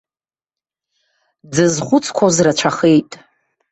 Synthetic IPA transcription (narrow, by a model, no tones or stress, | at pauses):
d͡zɨzχʷʊt͡sʰʼkʷʰozrat͡ʃʷʰaχe̞jtʼ